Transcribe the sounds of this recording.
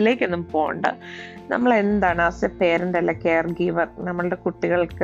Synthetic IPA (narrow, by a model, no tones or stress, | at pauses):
ile̞ːkʲːe̞nːumpo̞ːjṵɳɖɨ̰nɐ̰mːɐɭenːɐnd̪aːɳɨɐsepe̞ːɾindeɐlːɐkeːrɡiːʋɐrnɐmːɐɭɨɽe̞kuʈːiɣɐɭkɨ